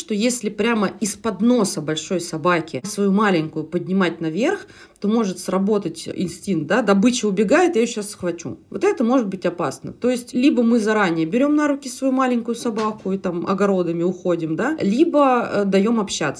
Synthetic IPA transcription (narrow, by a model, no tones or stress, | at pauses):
ʂt̪o̞jesʲlʲɪpɾʲaməɪspɐd̪no̞səbɐlʲʂo̞jsɐbakʲɪsvɐjumalʲɪŋʲkʊjʊpədʲnʲɪmatʲnɐvʲe̞rx | t̪o̞mo̞ʐɨt̪srɐbo̞t̪ətʲɪ̰nsʲtʲint̪̚d̪ad̪ɐbɨt͡ɕɪʊbʲɪɡajɪt̪jajɕasːxvɐt͡ɕṵvo̞t̪ɛt̪əmo̞ʐɨt̪̚bɨtʲɐpasnə̰t̪o̞ɪsʲtʲlʲibəmɨzɐɾanʲɪjəbʲɪɾʲo̞mnaɾʊkʲɪsvɐjumalʲɪŋʲkʊjʊsɐbakʊit̪amɐ̰ɡɐɾo̞d̪əmʲɪʊxo̞dʲɪmd̪alʲibəd̪ɐjo̞mɐpɕːa̰t̪sə